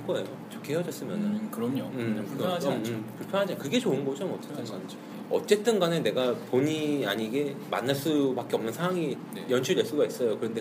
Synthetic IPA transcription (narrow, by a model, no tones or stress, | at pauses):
k͈oejot͡ɕokʰeheʌd͡ʑʌs͈ɯmjʌ̰nɯkɯɾʌmɲoɯmʌɯmkuɭpʰʌŋɦad͡ʑakɯɡe̞t͡ɕoɯnɡʌd͡ʑomʌt͡ɕ͈et͈ɯnɡan | ʌ̰t͡ɕ͈e̞t͈ɯnɡanɯne̞ɡapoɲiaɲiɡe̞ma̰nːaɭs͈ubak͈eʌmnɯnsʰawaŋi | jʌnt͡ɕʰudeɭs͈uɡais͈ʌjokɯɾʌnde̞